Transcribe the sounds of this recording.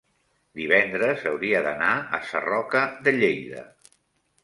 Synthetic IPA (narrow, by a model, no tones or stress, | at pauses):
d̪iβ̞ɛnd̪ɾəzəwɾiəðənaə̰sə̰rɔkəðəʎejðə̰